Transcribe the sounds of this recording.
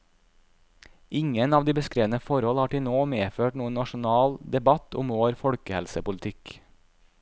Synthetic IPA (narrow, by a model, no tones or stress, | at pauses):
ɪŋənɑːʋd̪iːbəskɾeːʋn̩əfɔɾhɔlhɑːʈɪnoːmeːføːʈnuːənnɑʃʊnɑːld̪ɛbɑt̪ʰʊmoːɾfɔɽkəhɛlsəpʊlt̪ʰɪk